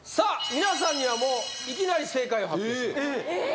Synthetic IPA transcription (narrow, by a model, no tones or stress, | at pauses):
samʲinas̬ãɲ̟ːiβamoː | ik̬ʲinaɾʲise̞ːkaioɦae